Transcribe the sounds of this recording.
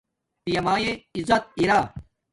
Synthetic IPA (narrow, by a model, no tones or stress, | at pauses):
pijɐmaːjeizɐt̪̚iɾaː